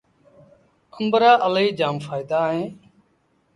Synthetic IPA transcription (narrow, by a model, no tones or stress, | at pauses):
kəmbəɾaːʔəliːd͡ʒaːmfaːɪd̪aːɦẽː